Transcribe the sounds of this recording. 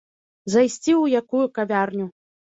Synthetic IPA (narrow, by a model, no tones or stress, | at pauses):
zajsʲt͡sʲiwjakujukavʲarnʲu